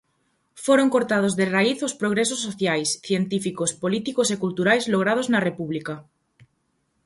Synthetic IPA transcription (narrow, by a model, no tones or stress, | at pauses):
foɾoŋkoɾt̪að̞ozðeraiθospɾoɣ̞ɾesosːoθjajsθjent̪ifikospolit̪ikosekult̪uɾajzloɣɾað̞oznɐrepuβlika